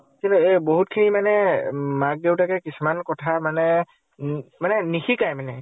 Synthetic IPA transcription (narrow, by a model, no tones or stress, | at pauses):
tilɛeboɦutkʰinimanɛmak̚dewtakɛkisumankɔtʰamanɛ | manɛnixikajmanɛ